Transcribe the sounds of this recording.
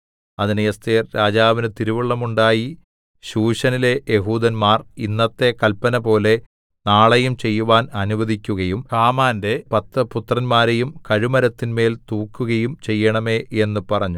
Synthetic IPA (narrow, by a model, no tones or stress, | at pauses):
ɐðinɨjɐst̪ijɐrɾaːd͡ʑaːʋinɨt̪iɾuʋiɭːɐmuɳɖaːji | ɕuːɕɐnile̞jeɦuːd̪ɐnmaːrinːɐt̪ːe̞kɐlpːɐnɐpo̞ːle̞ | naːɭɐjumt͡ɕe̞jːuʋaːnɐnuʋɐðikʲːuɣɐjumhaːmaːnde̞pɐt̪ːɐput̪rɐnmaːɾejumkɐɻimɐɾɐt̪ːinme̞ːlt̪uːkːuɣɐjumt͡ɕe̞jːɐɳɐme̞ːe̞nːupɐrɐɲːu